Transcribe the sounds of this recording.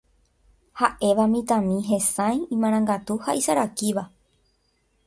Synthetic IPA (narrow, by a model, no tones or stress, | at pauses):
haʔe̞ʋamĩt̪ãmĩɦẽ̞sãjĩmãɾ̃ãŋɡat̪uhaʔisaɾakiʋa